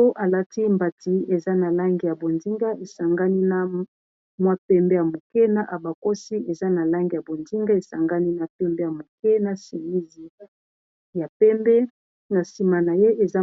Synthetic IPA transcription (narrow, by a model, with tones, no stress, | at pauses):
o˦ʔa˨la˦ti˦mba˨ti˨e˨za˦na˨la˦ŋɡi˨ja˨bo˨ndi˦ŋɡa˦e˨sa˨ŋɡa˦ni˦na˦ | mwa˦pɛ˦mbe˦ja˨mo˨kɛ˦na˦ʔa˨ba˨ko˦si˦e˨za˦na˨la˦ŋɡi˨ja˨bo˨ndi˦ŋɡa˦e˨sa˨ŋɡa˦ni˦na˨pɛ˦mbe˦ja˨mo˨kɛ˦na˨si˨mi˦zi˨ | ja˨pɛ˦mbɛ˦ | na˨si˨ma˨na˨je˦ʔe˨za˦